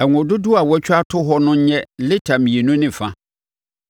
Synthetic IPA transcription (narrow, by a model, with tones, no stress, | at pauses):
ɛ˨ŋʊ̃˨dʊ˦dʊ˦a˨wɔ˦t͡ɕᶣa˦tʰʊ˦ɦɔ˦nʊ̃˦ɲ˦ɲɛ̃˦lɪ˦tʰa˨mĩ˨e˨nũ˦nɪ̃˦fã˦